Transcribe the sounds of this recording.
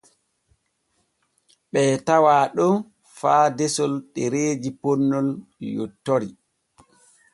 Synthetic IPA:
ɓɛːtawaːɗɔn | faːdɛsɔlɗɛɾeːd͡ʒipɔnːɔljo̰tːɔɾi

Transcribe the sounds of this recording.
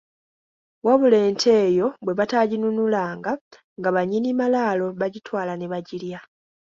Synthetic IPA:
waβule̞ːntʰe̞ːjo̞βwe̞βataɟinunulaːŋɡa | ŋɡaβaɲinimalaːlo̞βaɟitwaːlaneβaɟilja

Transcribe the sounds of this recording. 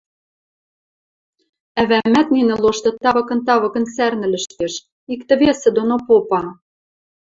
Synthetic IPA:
æβæmæt̪̚ninɘ̆loʃt̪ɤ̆t̪ɑβɤ̆kɤ̆nt̪ɑβɤ̆kɤ̆nsærnɘ̆lɘ̆ʃt̪eʃ | ikt̪ɘ̆βesɘ̆d̪onopopɑ

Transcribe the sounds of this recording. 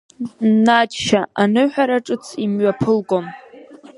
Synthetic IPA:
natʃaanɨħʷᶣaɾaʈ͡ʂʼɨt͡sʰimɥapʰɨlɡon

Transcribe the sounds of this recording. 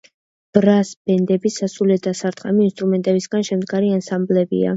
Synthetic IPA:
b̥ɾasbɛnd̪ɛbisasulɛd̪asaɾt̪χʼɛ̰miinst̪ʼɾumɛnt̪ʼɛbisɡanʃɛmd̪ɡaɾiansamblɛbḭa̰

